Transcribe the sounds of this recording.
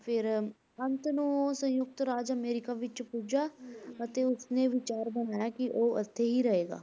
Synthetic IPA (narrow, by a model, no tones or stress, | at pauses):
pʰɪɾ | ənt̪nũsə̃jʊk̚t̪ɾaːd͡ʒəmeːɾɪkaːʋɪt͡ʃpuːd͡ʒaːət̪eːʊsneːʋɪt͡ʃaːɾbənaːjaːkɪʔoːə̰t̪ʰːeːɦiːɾəɦeːɡa̰ː